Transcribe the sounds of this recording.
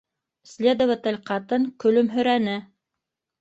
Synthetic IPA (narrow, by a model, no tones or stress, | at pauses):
slʲed̪ŏvət̪ɘlʲqɑt̪ɤŋkɵ̆lɵmɦɵ̆ɾænɘ